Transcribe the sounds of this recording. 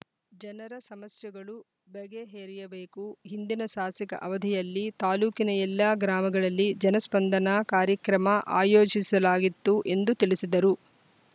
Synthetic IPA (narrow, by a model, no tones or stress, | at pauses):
d͡ʒɐnɐɾɐsɐmɐsjɐɡɐɭu | bɛɡeɦeːɾijɐbeːkuɦind̪inɐʃaːsikɐ̰ʔɐʋɐd̪ʱɛjɐlːit̪aːluːkinɐɛlːɐɡɾaːmɐɡɐɭɐlːid͡ʒɐnɐspɐnd̪ʱɐnɐkaːɾjɐkɾɐmɐʔa̰ːjoːd͡ʒisɐlaːɡit̪ːuʔe̞nd̪ut̪iɭisid̪ɐɾu